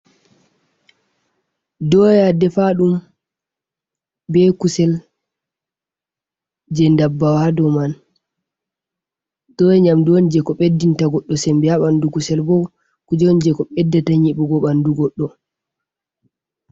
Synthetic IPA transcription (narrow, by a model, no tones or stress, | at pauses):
dɔjadɛfaɗum | bɛkusɛl | d͡ʒɛndabːawadɔman | d̥ɔjɛɲamdond͡ʒɛkɔɓedːintaɡɔɗːɔsɛmbijaɓandukusɛlbɔ | kud͡ʒɔnd͡ʒɛkɔɓɛdːɛtaɲiɓɔɡɔɓanduɡɔɗːɔ